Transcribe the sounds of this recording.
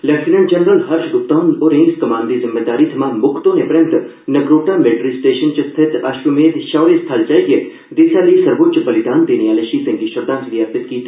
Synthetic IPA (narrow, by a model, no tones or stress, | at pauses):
lɛkʈinə̃ɳʈd͡ʒɐnɾəlɦɐɾʃɡʊp̚t̪aːnoɾẽːskɐmaːnd̪izɪmːeːd̪aːɾiːt̪ʰɐmãːmʊkʰt̪õːɦẽpɾjɐ̃nt̪ | nɐɡɾoːʈaːmeːɖɾisʈeːʃənt͡ʃɐst̪ʰɪt̪aʃɾumeːd̪ʃaːʋɾest̪ʰald͡ʒaːiɡe | d̪isalisɐɾboːt͡ʃbɐlɪd̪aːnd̪eːneaːleʃipẽŋʈiʃʊɾd̪ãːnt̪ʋijaːpɪt̪kiː